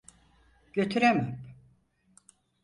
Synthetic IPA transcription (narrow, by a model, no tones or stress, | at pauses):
ɟ̥ø̞t̪ʰyɾemɛm